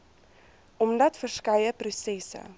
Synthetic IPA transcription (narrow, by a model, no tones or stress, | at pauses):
ɔmdɐtfərskɐjəprusɛsə̰